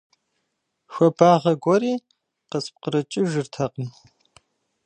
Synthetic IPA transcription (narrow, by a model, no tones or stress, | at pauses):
ʃʷɔbaːʁɐɡʷɔɾiː | qəsp̚qəɾɨt͡ʃʼɪʒɨrtʰɐqʼəm